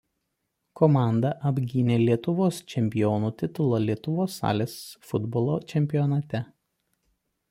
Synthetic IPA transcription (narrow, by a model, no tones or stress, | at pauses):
kɔmɑˑnd̪ɐʔɐbʲɡʲinʲeːlʲiɛt̪ʊʋoːst͡ʃʲɛmʲpʲɪjɔːnuːt̪ʲɪt̪ʊlˠɐlʲiɛt̪ʊʋoːsːɑ̰ːlʲeːsfʊd̪bɔlˠoːt͡ʃʲɛmʲpʲɪjɔnɐt̪ʲɛ